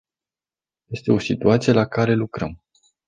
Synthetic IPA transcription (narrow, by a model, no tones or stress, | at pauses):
je̞st̪e̞o̞sit̪uat̪sije̞lakaɾe̞lukɾəm